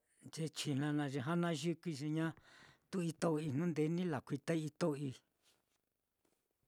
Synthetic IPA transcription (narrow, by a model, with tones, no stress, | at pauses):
nd͡ʒe˧t͡ʃi˨nã˧nã˧ʒi˧ɦa˦nã˦ʒu˦ki˧ʒi˧ɲã˦t̪u˦i˧t̪o˦˧i˧n̥nũ˦nd̪e˧˦nĩ˦la˨kʷi˧t̪a˦i˦i˧t̪o˦˧i˧